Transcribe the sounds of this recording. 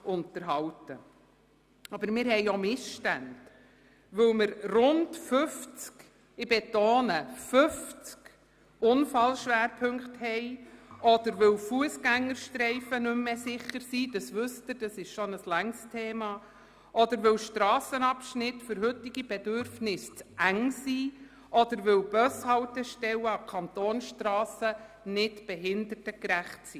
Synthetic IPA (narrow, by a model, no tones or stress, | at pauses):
ʔʊntəɾɦɑwtə | ɑbəɾmɪːɾɦɛjomɪsʃtænd̥ | ʋɵwməɾrʊndfɵft͡sk | ɪbɛtoːnəfɵft͡sk | ʊnfɑlʃʋæːɾpʰɵŋkthɛɪɔd̥̪əɾʋɪwfuəsɡæŋːəɾʃtɾɛɪfənɵmːesɪχəɾsiːd̥ɑsʋɵsət̪əɾd̥ɑsɪʃʃɔnəslæŋstʰeːmɑː | ʔɔd̪əɾʋɪwʃtɾɑːsənɑpʃnɪtfʏɾɦɵtɪɡ̥ib̥ɛdʏɾfnɪst͡sʔæŋsiː | ʔɔd̪əɾʋɪwb̥œshɑwtəʃtɛwəɑkʰɑnt̪oːnsʃtrɑːsə | nɪtb̥ɛɦɪndərtəkɾæχtsiː